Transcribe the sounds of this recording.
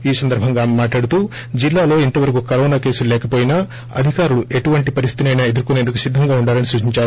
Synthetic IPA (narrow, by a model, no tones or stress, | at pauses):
iːsɐnd̪ɐɾbʱɐŋɡaːmmaːʈlaːɽut̪uː | d͡ʒilːaːlo̞ːint̪ɐʋɐɾɐkukɐɾoːnaːke̞ːsullɛːkɐpo̞ːjinɐ | ɐ̰d̪ʱikaːɾuɭuʔe̞ʈuʋɐɳʈipɐɾist̪i̥t̪inɐjnɐed̪uɾkune̞ːnd̪ukusid̪ʱːɐŋɡaːuɳɖaːɾɐnisuːt͡ʃiɲt͡ʃaːɾu